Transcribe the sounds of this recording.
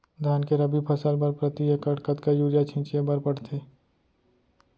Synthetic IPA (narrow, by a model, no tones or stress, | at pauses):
d̪ʱjaːnkeɾɐbipʰɐsəlbəɾpɾət̪ijekɐɽkət̪kajuːɾjat͡ʃʰɪ̃t͡ʃjebɐɾpəɽt̪ʰeː